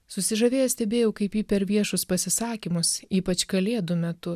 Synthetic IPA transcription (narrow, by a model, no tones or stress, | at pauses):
sʊsʲɪʒɐʋʲeːjɛsʲt̪ʲɛbʲeːjɛʊkɐɪpiːpʲɛɾʋʲiɛʃʊspɐsʲɪsɑːkʲimʊsiːpɐt͡ʃkɐlʲeːd̪ʊmʲɛt̪ʊ